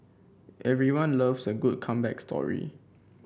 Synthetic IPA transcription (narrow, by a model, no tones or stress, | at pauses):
ʔɛvɹiwãnləvsəɡud̚kʰãmbɛ̰kstʰɔ̰ɹḭ